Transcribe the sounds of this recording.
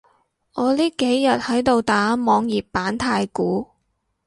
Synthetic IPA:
ŋɔː˨˧liː˥ke˨˥jːɐ˨t̚hɐ˨˥jt̪o˧wt̪aː˨˥mɔː˨˧ŋjiː˨˩p̚ːaː˨˥nt̪ʰaː˧jkuː˨˥

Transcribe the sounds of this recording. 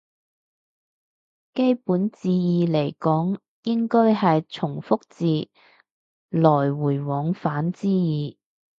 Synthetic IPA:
ke˥jpuː˨˥nt͡siː˧jiː˨˧le˨˩jkɔː˨˥ŋ | jɪ˥ŋkɔː˥jɦɐ˨jt͡sʰʊ˨˩ŋfʊ˥k̚t͡siː˨˧ | lɔː˨˩jwuː˨˩jwɔː˨˧ŋfaː˨˥nt͡siː˥jiː˨˧

